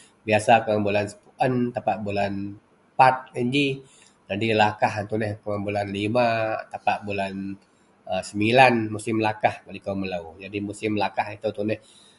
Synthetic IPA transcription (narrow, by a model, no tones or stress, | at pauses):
biasakəmambulansə̥puʔənt̪apaʔbulan | pat̪̚iɲd͡ʒi | d͡ʒadilakaɦnt̪unɛhkəmambulanlimat̪apaʔbulan | əsəmbilanmusɪmlakahkalikoməlaud͡ʒadimusɪmlakahit̪ut̪unɛh